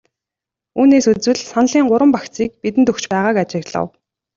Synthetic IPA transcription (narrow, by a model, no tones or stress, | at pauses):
uːneːsut͡swɘ̆ɮsanɮiːŋɢʊɾwə̆mpakt͡siːk̚pit̪̬ɘ̆nt̪ɵxt͡ɕpæːʁaːkat͡ɕɪ̆ɣɮə̰̆w